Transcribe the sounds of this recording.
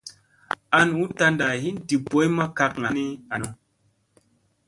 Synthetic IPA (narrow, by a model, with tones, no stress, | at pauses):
a˦n˨u˨˦ta˧nda˨ɦi˦n˦di˨bo˦jmə˦ka˧k̚ŋa˨ni˦a˨no˨